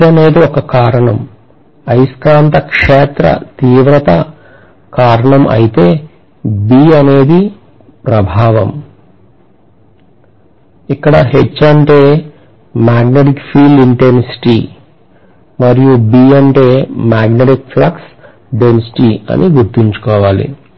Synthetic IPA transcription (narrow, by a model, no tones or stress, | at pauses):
ɐne̞ːd̪iɔkɐkaːɾɐɳɐm | ɐjskɾaːnt̪ɐkʂeːt̪ɾɐ̰t̪iːʋɾɐt̪ɐ | kaːɾɐɳɐmʔɐ̰jit̪e̞ː | biːɐne̞ːd̪i | pɾɐbʱaːʋɐ̰m | ikːɐɽɐɦet͡ʃːɐɳʈeː | maːɡneʈikpʰiːliɳʈensi̥ʈi | mɐɾijubiːɐɳʈe̞ːmaːɡneʈikpʰlɐks | ɖensi̥ʈiɐ̰niɡuɾt̪iɲt͡ʃu̥kɔːʋaːlḭ